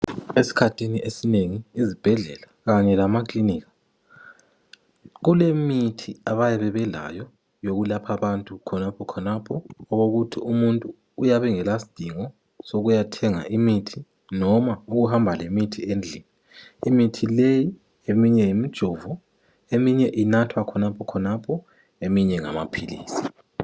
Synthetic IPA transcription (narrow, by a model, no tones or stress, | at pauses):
esi̥kʰatʰiniʔesineŋiːzib̥ʱɛɮɛlaɣaɲɛlamakliniːɣḁ | ɣulemitʰiaβajɛβɛβɛla̰jɔ | joɣulapʰaβantʼukʰɔnapʰɔkʰɔnapʰɔːɣoɣutʰiumuntʼuː | jaβɛŋɛlasi̥d̥ʱiŋɔ | soɣujatʰɛŋa̰ʔimitʰi | nɔmauɣuɦambʱalemitʰiend͡ɮʱinɛ | imitʰileji | emiɲɛjimid̥ʒ̥ʱɔvɔ | emiɲɛʔinatʰwakʰɔnapʰɔkʰɔnapʰɔ | emiɲɛŋa̰ma̰pʰilḭːsi̥